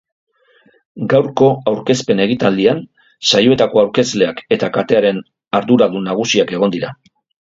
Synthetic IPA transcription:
ɡawɾko̞awɾke̞spe̞ne̞ɣ̞it̪ald̪ian | sajo̞e̞t̪ako̞awɾke̞zle̞ake̞t̪akat̪eaɾe̞n | aɾðuɾald̪unaɣ̞usiake̞ɣ̞o̞nd̪iɾa

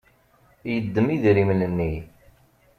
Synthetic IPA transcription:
jəd̪ːəmiðɾimnənːi

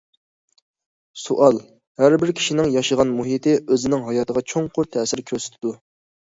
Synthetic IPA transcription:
suʔɑlˠ | hæɾbɪɾkʲʰi̥ʃinɪŋjɑʃəʁɑnmuɦit̪ʰɪʔøzɪnɪŋɦɑjɑːt̪ʰəʁɑt͡ʃʰoŋqʰʊɾt̪ʰɛsɪɾkʲʰøɾsɪ̥t̪ʰɪd̪u

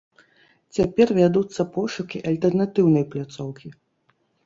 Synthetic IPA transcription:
t͡sʲapʲɛrvʲad̪ut̪sːɐpɔʂukʲiʔɐlʲt̪ɛrnat̪ɨwnɐjplʲat̪sɔwkʲi

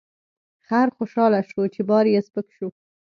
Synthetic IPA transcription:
xaɾxoʃɑlaʃot͡ʃebɑɾjespəkʃu

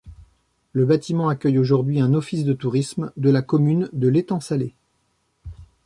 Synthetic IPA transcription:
ləbat̪ʰimɑ̃akʲœjoʒuʁd̪ɥiɛ̃nɔfisd̪ət̪uʁismd̪əlakɔmynd̪əlet̪ɑ̃sale

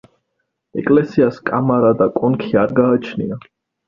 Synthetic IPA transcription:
ɛ̰kʼlɛsiaskʼamaɾad̪akʼɔnkʰiaɾɡaːt͡ʃʰnḭa

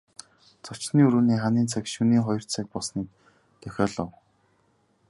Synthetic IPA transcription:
t͡sɔt͡ɕniːɵɾuːniːχaniːnt͡sʰakʃuniːχɔjɞ̆r̥t͡sʰak̚pɔsniːk | t̪ʰœxʲɔːɮɞ̆w

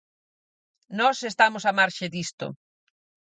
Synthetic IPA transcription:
nɔsest̪amʊsamaɾʃed̪ist̪ʊ̰

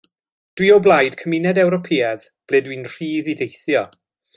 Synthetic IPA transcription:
d̥wiɔblˠajd̥kʰəmɪnɛdɛwɾɔpʰiːɛðb̥lɛːdwinr̥iːðidejθjɔ

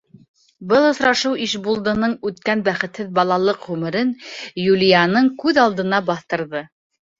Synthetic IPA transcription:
bɤlˠŏsɾɑʃɤwiʃbulˠd̪ɤ̆nɤɴʉt̪kænbæχɘ̆t̪hɘðbɑlˠɑlˠɤqʁʉmɘ̆ɾɘnjulʲijanɤɴkʉðɑlˠd̪ɤ̆nɑbɑθt̪ɤ̆ɾðɤ

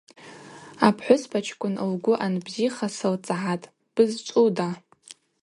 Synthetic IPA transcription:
apʰħʷʊspʰat͡ʃʰkʷʼʊnɨlɡʷʊʔanbziχasɨlt͡sʼaʕatʼ | b̥ɨzt͡ʃʷʼuda

